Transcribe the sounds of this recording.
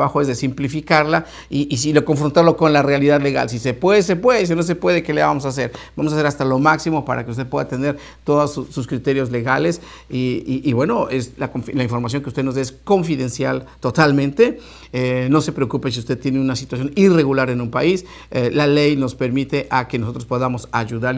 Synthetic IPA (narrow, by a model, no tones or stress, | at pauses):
βaxoezðesimplifikaɾla | iʔːs̬ilo̞ko̞ɱfɾo̞nt̪aɾlo̞ko̞nlarealiðaðle̞ɣa̰ls̬isepweðes̬epweðes̬inos̬e̞pwe̞ðe̞kelaβamo̞sas̬e̞ɾb̥amos̬as̬e̞ɾast̪alo̞maksimopaɾa̰ke̞ust̪epwe̞ðat̪e̞nd̪e̞ɾ | t̪o̞ðosususkɾit̪e̞ɾjo̞zle̞ɣale̞s | iʔːβwe̞no̞eslakolaiɱfo̞ɾmas̬jo̞ŋkeust̪eno̞zðeesko̞ɱfiðe̞nsjalt̪o̞t̪almẽnt̪e̞ | eno̞se̞pɾe̞okupes̬iust̪et̪jeneunasit̪was̬jo̞nire̞ɣulaɾe̞nũmpa̰is | elalejno̞spe̞ɾmit̪e̞ʔakenoso̞t̪ɾospo̞ðamo̞saʝuðaɾ